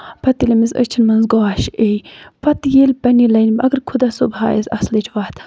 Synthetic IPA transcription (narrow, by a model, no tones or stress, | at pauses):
pɐt̪ilʲɐmizə̰t͡ʃʰinmɐnzɡoːʃejpɐt̪jilʲpɐnilɐnʲɐɡɨɾkʰud̪asobha̰ːjezɐ̰slit͡ʃʰʋaːt̪